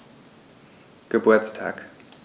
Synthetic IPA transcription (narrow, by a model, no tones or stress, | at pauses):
ɡ̥əbuɐt͡stʰa̰ːk